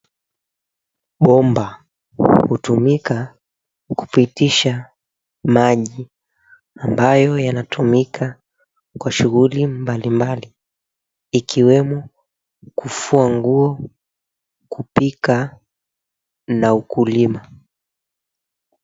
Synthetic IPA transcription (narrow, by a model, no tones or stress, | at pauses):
ɓɔmba | hutumika | ku̥pitiʃa | maʄi | ambajɔjanatumikʰa | kwaʃuɣulimbalimbaliː | kʰiwɛmɔ | kufuaŋɡuɔ | kupika | naukulima